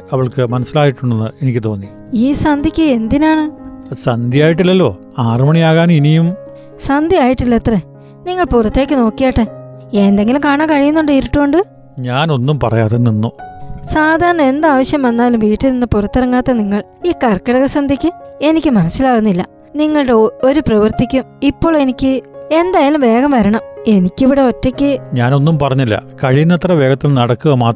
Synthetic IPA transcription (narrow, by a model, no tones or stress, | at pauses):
ɐʋiɭkɨmɐnɐsːilaːjiʈːuɳːenːɨe̞nikʲːɨt̪o̞ːnːi | iːsɐnd̪ʱikʲːɨe̞nd̪inaːɳɨsɐnd̪ʱijaːjiʈːilːɐlːo̞̰ː | aːrɐmɐɳiaːɣaːninijum | sɐnd̪ʱiaːjiʈːilːɐt̪re | niŋːɐɭpurɐt̪ːe̞ːkʲːɨno̞ːkːijaːʈːe | end̪eŋɡilumkaːɳaːŋkɐɻijunːuɳɖɨiɾiʈːuuɳɖɨ | ɲaːno̞nːumpɐ̰rɐ̰jaːt̪ːenːinːusaːd̪ʱaːɾɐɳɐme̞nd̪aːʋɐɕjɐmʋɐnːaːlumʋiːʈːilninːɨpurɐt̪ːirɐŋːaːt̪ːɐniŋːɐɭ | iːkɐrkːɐɽɐɣɐsɐnd̪ʱikʲːɨe̞nikʲːɨmɐnɐsːilaːɣunːilːɐ̰ | niŋːɐɭɨɽeo̞ɾuprɐʋɐrt̪ikʲːumipːo̞ːɭe̞nikʲːɨe̞nd̪aːjaːlumʋe̞ːɡɐmʋɐɾɐɳɐme̞nikʲːiʋiɽe̞otːekʲːɨɲaːno̞nːumpɐrɐɲːilːɐ̰kɐɻijunːɐt̪rɐʋe̞ːɡɐt̪ːilnɐɽɐkːuɣɐmaːt̪ː